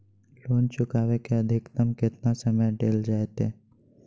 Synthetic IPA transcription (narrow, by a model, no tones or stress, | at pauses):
loːnt͡ʃʊkaːʋekeɐd̪ʱɪkt̪əmkɪt̪nasəməjɖeːld͡ʒaːet̪eː